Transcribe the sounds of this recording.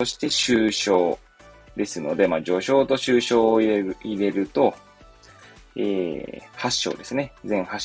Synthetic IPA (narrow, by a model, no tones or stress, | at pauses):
o̞ɕi̥t̪e̞ɕɨːɕo̞ː | d̪e̞sɨno̞̰d̪e̞maːd͡ʑo̞ːɕo̞ːt̪o̞ɕɨːɕo̞ːiiɾe̞ɾɯ̟t̪o̞ | ḛːhaɕːo̰ːd̪e̞sɨne̞d͡zẽ̞ɰ̃haɕ